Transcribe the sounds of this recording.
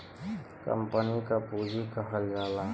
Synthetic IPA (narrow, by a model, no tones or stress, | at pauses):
kə̰mpənikapuːd͡ʒʱikəɦəljaːlaː